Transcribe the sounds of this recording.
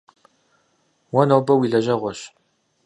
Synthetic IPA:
wɔnoːbɐwiːɮɐʒɐʁʷɔɕ

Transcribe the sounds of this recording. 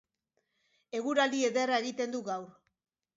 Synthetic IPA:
e̞ɣuɾalie̞ðe̞rae̞ɣit̪e̞nd̪uɣawɾ

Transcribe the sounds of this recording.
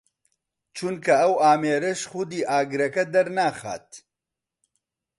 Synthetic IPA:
t͡ʃʰunkʰɐɐwaːmeːɾɐʃxʊd̪iːʔaːɡɾɐkɐd̪ɐɾnaːxa̰ːt̪

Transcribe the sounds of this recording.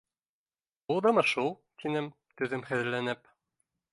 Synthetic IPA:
ulˠd̪ɤ̆mɤ̆ʃulˠt̪ʰinɘm | t̪ɵ̆ðɘmχɘ̆ðɘ̆lːænɘp

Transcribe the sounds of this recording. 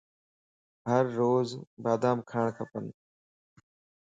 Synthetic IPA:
ɦəɾːoːzbaːd̪aːmkʰaːɳ̃kʰəpən

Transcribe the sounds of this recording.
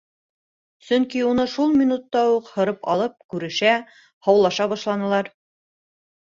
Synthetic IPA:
sɵŋkiunɤʃulˠmʲinut̪ːɑuqhɤ̆ɾɤpɑ̰lˠɤp̚kʉɾɘ̆ʃæ | hɑwlˠɑʃɑβɑʃlˠɑnɤ̆lˠɑɾ

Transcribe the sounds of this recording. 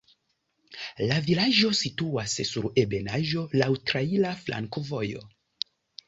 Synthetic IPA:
lavilaʒo̞situassuɾe̞benaʒo̞lawtɾailaflʔa̰ŋkovo̞jo̞̰

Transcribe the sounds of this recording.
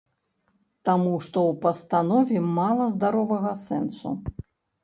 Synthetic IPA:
t̪amuʂt̪ɔwpɐst̪anɔvʲɛmalˠɐzd̪aɾɔvɐɣɐsɛ̰nsṵ

